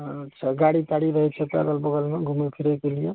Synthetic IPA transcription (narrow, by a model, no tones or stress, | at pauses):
t͡ʃʰʌɡaɽit̪aɽiɾʌɦet͡ʃʰʌpa̰ɡʌlbɔɡʌlmaɡʱumopʰiɾakolijo